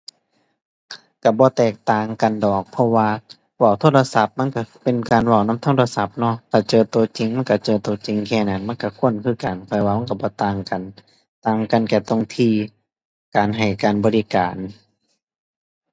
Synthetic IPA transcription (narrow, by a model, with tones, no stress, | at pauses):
ka˧˩bɔː˧t̪ɛː˨˩k̚t̪aː˨ŋka˨ndɔː˨˩k̚pʰɔ˧waː˧ | waː˧˩˨wt̪ʰoː˧˥t̚la˧sa˧˦p̚ma˧˥˨nka˧˩pe˨nkaː˨nwa˧˩wna˧˥˨t̪ʰːla˧sa˧˦p̚nɔ˧˥˨t̪ʰaː˧˩t͡ɕɤː˧t̪u˧t͡ɕi˨ŋma˧˥˨nka˧˩t͡ɕɤː˧t̪uː˧˨˧t͡ɕi˨ŋkʰɛː˧˩na˨˧˩nma˧˥˨nka˧˩kʰu˧˥˨ənkʰɯː˧˩˨ka˨˩npʰɛ˧˨waː˧ma˧˥˨ka˧˩bɔː˨˧˦t̪aː˧˩ŋka˨n | t̪aː˨˧˩ŋka˧˨nkɛː˧˩t̪o˧˨ŋt̪ʰiː˧˩ | kaː˨nɦa˨˩jkaː˨nbɔː˧li˧kaː˨˩n